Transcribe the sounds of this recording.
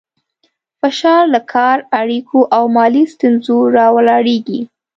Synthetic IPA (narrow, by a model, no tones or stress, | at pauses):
fɪʃɑɾlakʰɑɾaɽikʰoʔawmɑlist̪unzoɾɑwlɑɽeɡi